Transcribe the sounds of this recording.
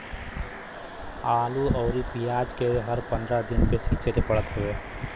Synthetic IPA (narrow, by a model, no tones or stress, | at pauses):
aːluɔːɾipijaːd͡ʒkeɦɐɾpɐ̃nd̪ɾad̪ɪnpesit͡ʃeɾepɐɽət̪ɦɐʋeː